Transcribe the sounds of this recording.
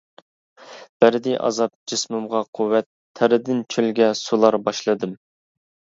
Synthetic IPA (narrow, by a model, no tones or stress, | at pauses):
b̥æɾɪd̪ɪʔɑ̰zɑp̚d͡ʒesmumʁɑqʰuwːɛt̪ʰːæɾɪd̪ɪnt͡ʃʰølɡʲɛsulˠɑɾbɑʃlˠɨd̪ɨm